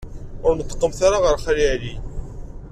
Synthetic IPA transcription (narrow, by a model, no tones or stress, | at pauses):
ʊɾnət̪ˤːə̥qːəmθaɾaʁəɾχalili